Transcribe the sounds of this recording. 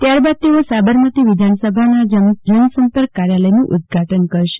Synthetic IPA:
t̪jaɾbad̪̚t̪eosabəɾmət̪iʋid̪ʱansəbʱanad͡ʒəd͡ʒənsəmpəɾkːaɾjaləjnũʔʊd̪̚ɡʱaʈənkəɾʃe̥

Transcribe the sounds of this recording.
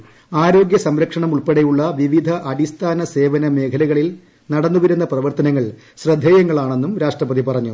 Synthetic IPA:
aːɾo̞ːɡjɐsɐmɾɐkʂɐɳɐmuɭpeɽejuɭːɐʋiʋid̪ʱɐʔɐd̪ist̪ʰaːnɐse̞ːʋɐnɐme̞ːkʰɐlɐɣɐɭil | nɐɽɐnːuʋɐɾunːɐprɐʋɐrt̪ɐnɐŋːɐɭ | ɕrɐd̪ʱːejɐŋːɐɭaːɳe̞nːumɾaːʂʈrɐpɐðipɐrɐɲːu

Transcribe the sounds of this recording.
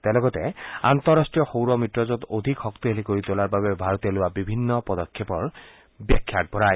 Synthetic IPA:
t̪alɔɡɔtɛa̰nt̪ɔɹastɹijɔxowɹɔmɹitɹɔzɔtodʱikxɔkt̪iɦelikoɹit̪ʊlaɹbaβɛbʱaɹɔt̪ɔlʊwabibʱinːɔpɔdɔkʰːepɔɹ | bɛkʰːjat̚bɔɹaj

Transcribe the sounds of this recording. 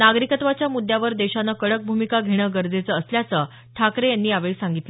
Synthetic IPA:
naɡɾikət̪ʋat͡ɕjamud̪ʱjaʋəɾd̪eɕanːakəɽək̚bʱumikaɡʱeɽ̃əɡəɾd͡zet͡səːsljat͡sə | ʈʰakɾejanːiːaʋeɭsaŋɡit̪lə

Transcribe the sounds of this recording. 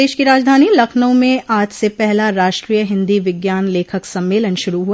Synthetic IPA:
eːʃkiɾaːd͡ʒd̪ʱaːnilɐkʰnə̃mẽʔaːd͡ʒsepɛɦlaɾaːʃʈɾiːjəɦɪ̃nd̪iʋɪɡjaːnleːkʰəksɐ̃mːeːlənʃʊɾuɦu

